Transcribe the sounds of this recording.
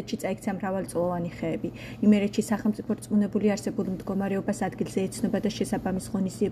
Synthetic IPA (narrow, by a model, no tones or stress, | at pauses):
t̪ʃit̪sʼaik̚ʰt̪sʰamɾavalˠt̪sʼlˠɔvaniχɛːbi | imɛɾɛt̪ʃisaχɛlˠmt̪sʼipʰɔɾt̪sʼmunɛbuliaɾsɛbulˠmd̪ɡɔmaɾɛɔbasad̪ɡilˠz̥ɛːt̪sʰnɔbad̪aʃɛsabamisʁɔnizd̪iɛ